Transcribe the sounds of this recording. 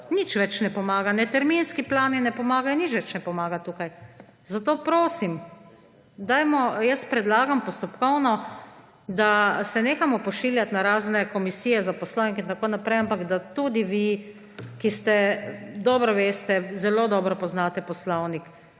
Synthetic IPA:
nit͡ʃʋɛt͡ʃnɛpɔmaːɡanɛt̪ɛɾminskiplaːninɛpɔmaːɡajɔnit͡ʃʋɛt͡ʃnɛpɔmaːɡat̪uːkaj | zat̪oːpɾoːsim | d̪ajmɔjəspɾɛd̪laːɡampɔst̪ɔpkɔwnɔ | d̪asɛneːxamɔpɔʃiljat̪naɾaːznɛkɔmisiːjɛzapɔslownikint̪akoːnapɾɛjampakd̪at̪ud̪iʋi | kist̪ɛd̪ɔːbɾɔʋeːst̪ɛzɛloːd̪ɔːbɾɔpɔznaːt̪ɛpɔslɔwnik

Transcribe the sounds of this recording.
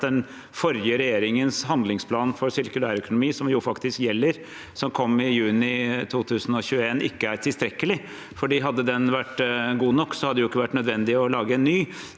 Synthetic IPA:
d̪ɛn | fɔɾjəɾɛjeːɾɪŋənshɑnd̪lɪŋspʰlɑːnfɔɾsɪɾkʉlæːɾœkʊnʊmiːsɔmjʊːfɑkt̪ɪskjɛlːəɾ | sɔmkʰɔmːɪjʉːnɪt̪ʰuːt̪ʰʉːsən̩ɔçʉːəeːnɪkːəæɾt̪ʰɪlst̪ɾɛkːəlɪ | fɔɖiːɦɑd̪ːəd̪ɛnʋæʈːɡuːnɔkːsɔhɑd̪əjʊɪkːəʋæʈːnœd̪ʋɛnd̪ɪɔlɑːɡəɛnːyː

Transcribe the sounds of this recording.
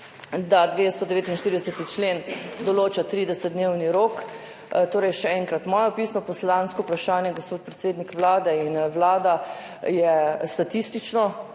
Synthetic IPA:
d̪ad̪ʋest̪ɔd̪ɛʋeːt̪inʃt̪iːɾid̪ɛsɛt̪it͡ʃleːnd̪ɔloːt͡ʃat̪ɾiːd̪ɛsɛt̪̚d̪neːwniɾoːk | t̪oːɾɛjʃɛɛŋkɾat̪mɔːjɔpiːsnɔpɔslanskɔpɾaʃaːnjɛɡospoːt̪̚pɾɛt̪seːd̪nikʋlaːd̪ɛinʋlaːd̪a | jɛst̪at̪ist̪it͡ʃnɔ

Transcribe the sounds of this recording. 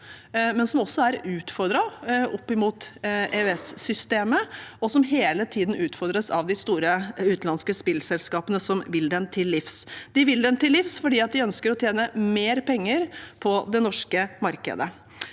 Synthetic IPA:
mɛnsɔmɔsːɔæɾʉːt̪fɔɾɖ̪ɾɑɔpːɪmuːt̪eøɛsːʏst̪eːməɔsɔmɦeːlət̪ʰiːd̪n̩ʉːt̪fɔɾɖd̪ɾəsɑ̰ʋd̪ɪst̪uːɾəʉːt̪nɑnskəspɪlsɛlskɑːpənəsɔmʋɪld̪ɛnt̪ʰɪlːɪfsd̪ɪʋɪld̪ɛnt̪ɪlːɪfsfɔɖiːɑt̪̚d̪ɪœnskəɾɔt̪ʰjeːnəmeːɾpʰɛŋːəɾpʰɔd̪ɛnɔʂkəmɑɾkə̰d̪ə̰

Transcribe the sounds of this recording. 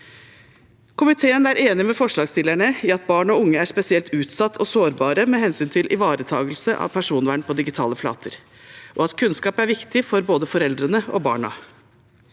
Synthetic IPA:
kʰʊmɪt̪ʰeːənæɾʔeːnɪmɛfɔʂɭɑːɡst̪ɪlæɳəɪɑt̪̚bɑːɳɔʊŋːəæʂpɛsɪɛlt̪ʉːt̪sɑt̪ʰːɔsoːɾbɑːɾəmɛhɛnsyːnt̪ʰɪlʔɪ̰ʋɑːɾət̪ʰɑ̰ːɡəlsəʔɑ̰ʋpʰæʂuːnʋæːɳpʰɔd̪ɪɡɪt̪ʰɑːləflɑ̰ːt̪ʰəɾ | ʔɔɑt̪kʰʉnskɑːpæɾʋɪkt̪ɪfɔɾboːd̪əfɔɾɛld̪ɾənəɔ̰bɑ̰ːɳɑ̰

